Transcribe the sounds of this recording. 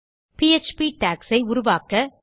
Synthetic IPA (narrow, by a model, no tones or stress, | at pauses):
piɛt͡ʃpiʈaːksɐɪʊɾʊʋaːkɐ